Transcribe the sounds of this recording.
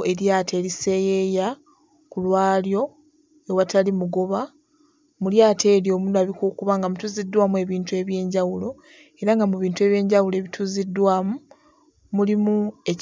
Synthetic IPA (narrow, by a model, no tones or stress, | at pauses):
e̞ɾjaːte̞ːlise̞ːjeja | kulwaːljo̞ | ewatalimuɡo̞βa | muljaːte̞ːljo̞ːmunaβikukuβaŋɡamutuzidːwaːmue̞βiːntue̞βje̞ːɲɟawulo̞ | e̞ɾaŋɡamuβiːntue̞βje̞ːɲɟawuloe̞ːβitʰuzidwaːmu | mulimue̞